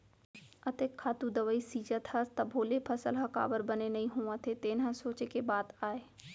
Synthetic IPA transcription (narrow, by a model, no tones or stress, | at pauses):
ɐt̪ekʰːaːt̪ud̪ɐʋəisiːd͡ʒət̪hɐɾt̪ɐbʱoːlepʰɐsəlɦɐka̰ːʋəɾbɐnenɐɦĩɦoːãt̪ʰet̪eːnãsoːt͡ʃekebaːt̪aːeː